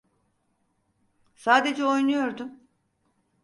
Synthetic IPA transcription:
saːd̪e̞d͡ʒɛojnujo̞ɾd̪um

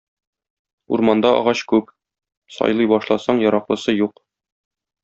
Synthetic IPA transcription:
ṵɾmɑnd̪ɑʔɒ̰ʁɑɕkʉp | sɒ̰jlˠɤjbɒʃlˠɑsɑɴjɒɾɑqlˠɤ̆sɤjuq

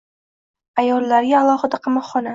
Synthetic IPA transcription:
ajɒlːaɾɡʲaːlˠɒχɨd̪aqʰɑmɒqχɒna

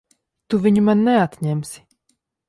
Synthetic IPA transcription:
t̪uvʲiɲumanːɛat̪ʲɲɛmsʲi̥

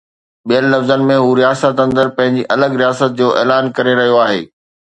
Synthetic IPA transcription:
ɓijənlɐfzənɪ̆mẽɦuːɾijaːsət̪ɐ̃nd̪əɾpɐ̃ɦɪ̃ɲd͡ʑiʔɐləɡɾijaːsət̪̚d͡ʑoːʔɛ̰ːlaːnkɐɾeɾɐɦijoaːɦḛː

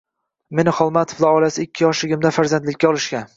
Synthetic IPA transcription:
me̞nɪχɒlˠmat̪ʰo̥fd̪aɒlasɪɪkʲʰːɪɒʃɪɡʲɪmd̪afaɾzand̪lɪkʲːaɒlˠɪʃkʲan

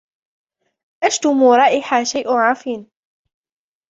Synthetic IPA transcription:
ʔaʃt̪ʊmuːɾˤɑːʔɪħaːʃajʔʕaːfiːn

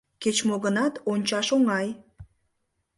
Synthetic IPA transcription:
ket͡ɕmoɣənɑt̪onʲt͡ɕɑʃoŋɑj

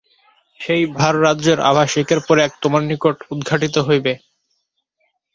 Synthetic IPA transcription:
ʃejbʱaɾːadːd͡ʑeɾa̰bʱaʃikeɾpɔɾeɛk̚t̪omanːikoʈud̪ɡʱaʈit̪oɦojbe

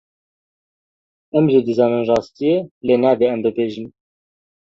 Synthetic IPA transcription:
ɛmʒid̪ɨzɑːnɨnrɑːst̪ijeleːnɛb̪eɛmbɨbeːʒin

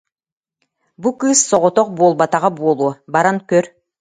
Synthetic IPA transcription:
bukɯssoʁot̪oq̚bolˠbat̪ɑʁɑbuolˠubɑɾankøɾ

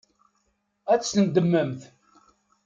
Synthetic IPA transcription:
æt͡sːənd̪əmːəmθ

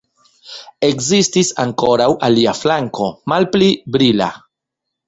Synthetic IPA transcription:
e̞kzistisaŋko̞ɾawʔaliaflaŋko̞malplibɾila̰

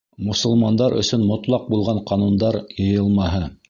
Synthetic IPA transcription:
mŏsŏlˠmɑnd̪ɑɾɵ̰̆sɵnmŏt̪lˠɑq̚bulˠʁɑɴqɑnund̪ɑɾjɤ̆jɤlˠmɑɦɤ

